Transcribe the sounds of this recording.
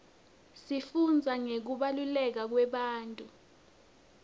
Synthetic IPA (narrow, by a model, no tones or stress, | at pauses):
sifund͡zʱaŋek̬uɓalulɛk̬ak̬wɛɓaːntʼu